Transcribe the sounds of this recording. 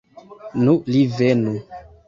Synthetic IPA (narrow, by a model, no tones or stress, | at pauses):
nũlivenu